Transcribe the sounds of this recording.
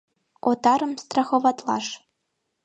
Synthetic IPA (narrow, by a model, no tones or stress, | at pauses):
ot̪ɑɾɤ̆mst̪rɑxovɑt̪lˠɑ̰ʂ